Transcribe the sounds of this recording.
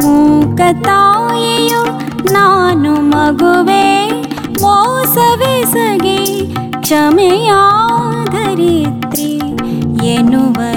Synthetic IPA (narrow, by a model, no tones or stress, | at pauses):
mukɐt̪aːiju | naːnumɐɡuʋe | mosɐʋesɐɡi | kʂɐmejaːd̪ʱɐɾit̪ɾi | enuʋɐ